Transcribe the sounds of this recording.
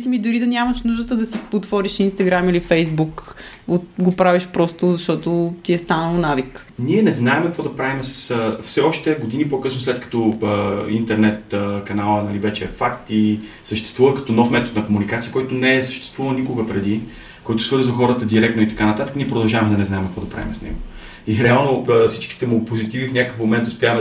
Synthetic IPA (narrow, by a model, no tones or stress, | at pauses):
simid̪ʊɾid̪ɐnʲaməʃnuʒd̪ət̪əd̪ɐsiot̪vɔɾiʃinst̪ɐɡɾamilifɛjzbuk | oɡopɾaviʃpɾɔst̪ʊzɐʃt̪ɔt̪ot̪iɛst̪anəlˠonavik | niɛnɛznaɛmkɐkvɔd̪ɐpɾavimɛsə̥səfsɛɔʃt̪ɛɡod̪inipokɤsnoslɛt̪kɐ̥t̪oəḭnt̪ɛɾnɛt̪ːkɐnalˠənɐlivɛt͡ʃɛɛfakt̪i | səʃt̪ɛst̪vuvəkɐt̪ɔnɔfmɛt̪ot̪nɐkomunikat̪sijəkɔjt̪onɛɛsə̥ʃt̪ɛ̥st̪vuvəlˠnikoɡəpɾɛd̪i | kɔjt̪ʊ̥svɤɾzzəxɔɾət̪əd̪iɾɛk̚t̪noit̪ɐ̥kanɐt̪at̪əkniɛp̬ɾod̪ɐlˠʒavɐmɛd̪ɐnɛznaɛmkvɔd̪ɐpɾa̰vḭmɛsnɛ̰ɡo | niɛɾɛalˠnofsit͡ʃki̥t̪ɛmupozit̪ivifnʲakəfmomɛnt̪ʊspʲjavəmɛ